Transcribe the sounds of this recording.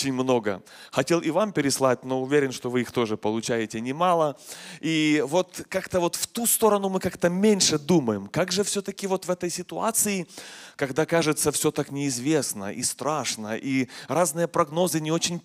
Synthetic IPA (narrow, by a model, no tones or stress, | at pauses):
t͡ɕɪnʲmno̞ɡə̰ | xɐtʲe̞lˠʔivampʲɪɾʲɪslˠat̚ʲno̞ʊvʲeɾʲɪnʂt̪ovɨixt̪o̞ʐɨpəlˠʊt͡ɕæjɪtʲɪnʲɪmalˠəivo̞t̪kakt̪əvo̞t̪ft̪ust̪o̞ɾɐnumɨkakt̪əmʲenʲʂɨd̪uməjɪmkaɡʐɨfsʲɵt̪əkʲɪvo̞t̪vɛt̪əjsʲɪt̪ʊa̰t̪sɨɪkɐɡd̪akaʐɨt̪səfsʲot̪aknʲɪɪzvʲe̞snə̰ʔḭst̪ɾaʂnəʔiraznɨjəpɾɐɡno̞zɨnʲɪo̞t͡ɕɪnʲ